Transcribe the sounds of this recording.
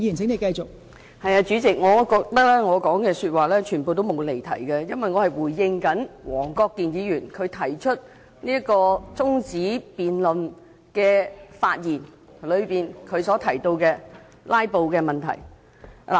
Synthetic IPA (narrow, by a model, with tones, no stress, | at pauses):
i˧˥˨nsʰɪ˨˥ŋne˨˧jkɐ˧jt͡ʃʊ˨k̚ | hɐ˨jaː˧t͡ʃyː˨˥t͡sɪ˨k̚ŋɔː˨˧kɔː˧k̚t̪ɐ˥k̚lɛː˥ŋɔː˨˧kɔː˨˥ŋkɛː˧syː˧t̚waː˨˩lɛː˥t͡ʃʰyː˨˩npo˨wt̪̬o˥wmo˨˧wle˨˩jt̪ʰɐ˨˩jkɐ˧jɐ˥nwɐ˨jŋɔː˨˧hɐ˨jwuː˨˩jːɪ˧ŋkɐ˨˥nwɔː˨˩ŋkɔː˧kːiː˨njiː˨˧jyː˨˩nkʰɵ˨˧ɥt̪ʰɐ˨˩jt͡ʃʰɵ˥t̚ | niː˥jɐ˥kɔː˧t͡sʊ˥ŋt͡siː˨˥piː˨nlɵ˨n | kɛː˧fa̰ː˧t̚jiː˨˩n | lɵ˨˧ɥpiː˨nkʰɵ˨˧ɥsɔː˨˥t̪ʰɐ˨˩jt̪o˧wkɛː˧ | laː˥jpo˨˧wkɛː˧mɐ˨˩nt̪ʰɐ̰˨˩j | a̰˨˩